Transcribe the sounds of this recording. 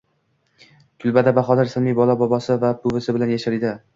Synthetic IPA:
kʰʊlˠbad̪abaχɒd̪aɾsalmijbɒlˠabɒbɒsɪvapʰʊvɪsɪbɪlanjaʃɪɾɪd̪ɪ

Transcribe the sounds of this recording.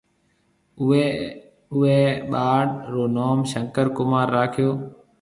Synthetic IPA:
ʊɦeːɓaːɽɾoːnoːmʃə̃ŋkəɾkʊmaːɾːaːkʰɪjoː

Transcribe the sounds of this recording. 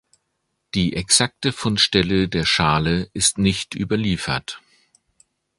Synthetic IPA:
d̥iːʔɛksak̚təfʊntʃtɛlədeːɐʃaːləʔɪstnɪçtʔy̰ːbɐliːfɐt

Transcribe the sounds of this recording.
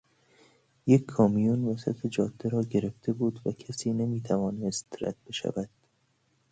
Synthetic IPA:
jekʰːɒːmijunvæsæ̰t̪ʰed͡ʒɒːd̪̥ːeɾɒːɡe̞ɾe̞ft̪ʰebuːd̪vækʰæsiːnemiːt̪ʰævɒːnest̪ɾæ̰t̪̚be̞ʃæ̰væd̪̥

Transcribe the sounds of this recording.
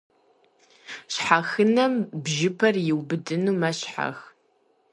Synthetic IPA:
ɕħaxɨnɐmbʒɪpʰɐrjɪwbɨdɨnuːmɐɕħa̰x

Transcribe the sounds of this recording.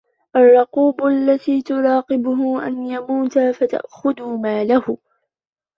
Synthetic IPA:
ʔarˤːɑquːbʊʔalːat̪iːt̪ʊɾɑːqɪbʊɦʊʔa̰njamuːt̪afat̪a̰ʔxʊd̪ʊmaːlahʊ

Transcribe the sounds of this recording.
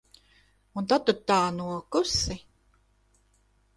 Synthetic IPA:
unt̪at̪ut̪ːaːnuɔkusi

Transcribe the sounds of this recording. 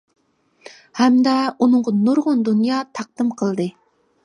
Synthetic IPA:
hɛmd̪ɛunɨɴʁɑnoɾʁʊnd̪unjɑːt̪ʰɑq̚d̪̥ɨmqʰəlˠd̪ɨ

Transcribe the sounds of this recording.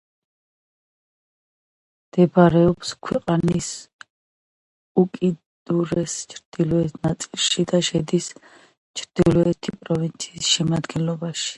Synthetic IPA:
d̪̥ɛbaɾɛɔpskʰwɛqʼanis | ukʼi | d̪uɾɛst͡ʃʰɾd̪̥ilɔɛt̪ʰnat̪sʼilˠʃid̪aʃɛd̪is | t͡ʃʰɾd̪̥ilɔɛt̪ʰipʼɾɔvint̪sʰiːsʃɛmad̪ɡɛnlɔbaʃi̥

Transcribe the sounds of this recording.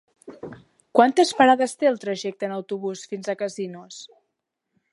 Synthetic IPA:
kwant̪əspəɾaðəst̪eəlˠt̪ɾəʒɛk̚t̪əːnəwt̪uβusfinzəkəzinus

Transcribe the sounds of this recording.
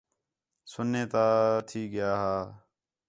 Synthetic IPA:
sʊnːeːt̪aːt̪ʰiːɡɪjaːɦaː

